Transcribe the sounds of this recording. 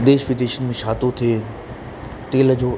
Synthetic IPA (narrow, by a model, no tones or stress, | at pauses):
d̪eːʃʋiʈeːʃənmẽʃʰaːt̪ot̪ʰeː | ʈeːld͡ʑoː